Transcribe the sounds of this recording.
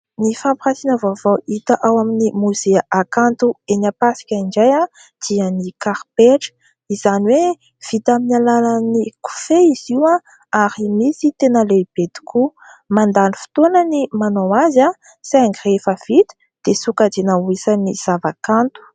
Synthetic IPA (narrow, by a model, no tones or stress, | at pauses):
nifampχasinəvavowʔit̪əʔawaminimuzeaʔakant̪uenapasi̥kʲaiɳɖ͡ʐaja | d̪̥iənikaɾpeʈ͡ʂə̥ | iz̥aniwe | v̥it̪aminalalaniku̥feiziwã | aɾimisit̪enəleib̥ed̪i̥kʰu | mand̪anifi̥t̪onənimanawaza | saaŋɡrefəv̥it̪i̥ | d̪̥esukad͡ʒinauisaniz̥avakant̪u̥